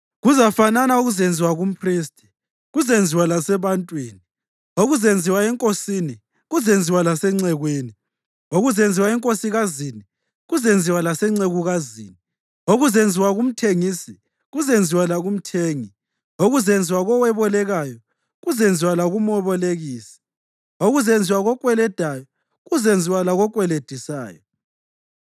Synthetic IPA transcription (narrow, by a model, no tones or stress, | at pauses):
ɣuzafananauɣuzend͡zʱiwaɣum̩pʰriːstʰʼi̥ | ɣuzend͡zʱiwalasɛβantʼwiːni | oɣuzend͡zʱiwaɛŋkʼosini | ɣuzend͡zʱiwalasɛŋ͡ǀɛɣweni | oɣuzend͡zʱiwaɛŋkʼosiɣazini | ɣuzend͡zʱiwalasɛŋ͡ǀeɣuɣazḭːni | oɣuzend͡zʱiwaɣum̩tʰeŋiːsi | ɣuzend͡zʱiwalaɣum̩tʰeːŋi | oɣuzend͡zʱiwaɣɔwɛβɔlɛɣajɔ | ɣuzend͡zʱiwalaɣumɔβɔleɣiːsi̥ | oɣuzend͡zʱiwaɣɔkʼwɛlɛd̥ʱajɔ | ɣuzend͡zʱiwalaɣɔkʼwɛled̥ʱisa̰ːjɔ